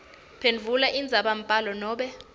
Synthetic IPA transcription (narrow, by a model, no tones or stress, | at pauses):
pʰenvʱulaʔind͡zʱaɓam̩pʼalɔnɔːɓɛ